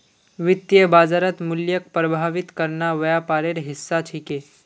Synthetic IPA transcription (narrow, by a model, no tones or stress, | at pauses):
ʋɪt̪jəbaːzaɾət̪mʊljək̚pɾɐbʱaːʋɪt̪kɐɾnaʋɐjapaːɾeɾɦɪsːat͡ʃʰikeː